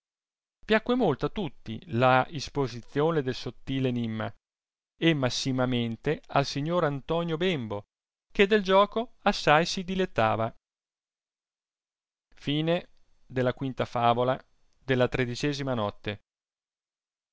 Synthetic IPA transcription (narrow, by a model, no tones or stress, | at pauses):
pjakːwemolt̪oat̪ːut̪ːilaispozit̪sːjoːned̪elsot̪ːiːleːnimːa̰ | emːasːimament̪ealsiɲːoːɾant̪ɔːnjobembo | ked̪ːeld͡ʒɔːkoasːajsid̪ilet̪ːa̰ːva | fiːne | d̪elːakwint̪afaːvola | d̪elːat̪ɾed̪it͡ʃɛːzimanɔt̪ːe